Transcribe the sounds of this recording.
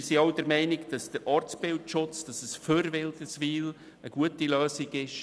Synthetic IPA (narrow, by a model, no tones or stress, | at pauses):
sioʊdəɾmɛɪnɪɡd̥ɑsd̥əɾʔɑːɾt͡sb̥ɪltʃʊt͡sd̥ɑsəsføɾvɪld̪əsʋiːl | əɡ̥uətiløːsɪɡɪʃ